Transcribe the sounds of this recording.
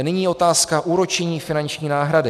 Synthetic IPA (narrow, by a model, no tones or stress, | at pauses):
nɪɲiːo̞t̪aːskaʔuːɾot͡ʃɛɲiːfɪnant͡ʃɲiːnaːɦɾadɪ